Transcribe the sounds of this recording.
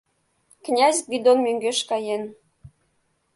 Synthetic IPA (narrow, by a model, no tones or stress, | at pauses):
knʲæzʲɡid̪onmøŋɡeʃkɑjen